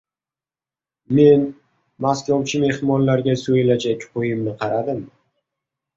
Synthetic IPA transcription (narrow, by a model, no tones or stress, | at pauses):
me̞n | maskʲawt͡ʃʰɪme̞hɾmɒnlaɾɡʲasojɪlad͡ʒakʲqʰojɪmnɪqʰɑɾad̪ɪm